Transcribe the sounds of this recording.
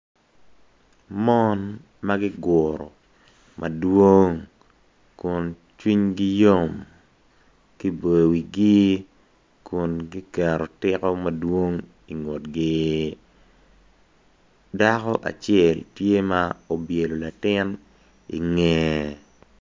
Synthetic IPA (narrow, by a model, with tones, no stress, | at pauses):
mɔ˦n | ma˦ɡɪ˦ɡʊ˨ɾɔ̰˨ | mʔa˨dwo˦ŋ | kʊ˨n | t͡ʃwi˦ɲɡi˦jo˦˨m | ki˦be˨wi˨ɡi˦ | kʰʊ˨nɡi˦kɛ˨ɾo˨tɪ˦kɔ˦ma˨dwo˦ŋ | i˨ŋo˨tɡɪ˦ | da˦kɔ˦ʔa̰˨t͡ʃjɛ˨ltje˦ma˦o˨bje˨lo˨la˨tɪ˦n | ḭ˨ŋɛ˨˦